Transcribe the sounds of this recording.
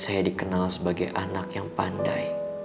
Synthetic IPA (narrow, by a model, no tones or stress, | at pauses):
sajadikənalsəbaɡajʔanakjaŋpandaj